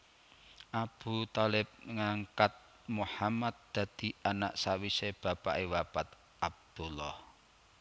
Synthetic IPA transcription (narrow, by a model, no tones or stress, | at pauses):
ʔab̥ut̪ɔlɪp̚ŋaŋkat̪̚ | muħamat̪̚d̪̥a̤d̪̥i̤ana̰ʔsawiseb̥a̤pa̰ʔewapat̪ | ab̚d̪̥ulːɔh